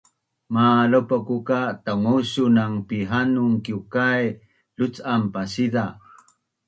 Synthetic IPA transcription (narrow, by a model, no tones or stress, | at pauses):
maləpakukataŋusunaŋpiɦanuŋkiukaj | lut͡sampasida